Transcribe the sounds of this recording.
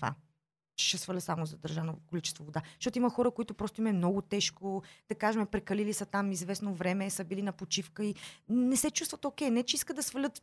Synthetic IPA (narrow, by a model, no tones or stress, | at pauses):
va̰ | t͡ʃɛ̥ʃɛsvəlʲət̪samozɐd̪ɐɾʒanokolit͡ʃɛst̪vovod̪aʃt̪ɔt̪oimɐxɔɾəkoit̪ʊpɾɔst̪ʊimɛmnɔɡʊt̪ɛʃkod̪̥ɐkaʒɛmɛpɾɛkɐlilisɐt̪amizvɛsnovɾɛmɛsəbilinɐpot͡ʃifkəinɛsɛt͡ʃust̪vət̪okɛjnɛt͡ʃɛiskəd̪d̪ɐsvəlʲɤt̪